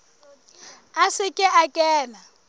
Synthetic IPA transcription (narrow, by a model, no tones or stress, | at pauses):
asɪkʼɪʔakʼɛːna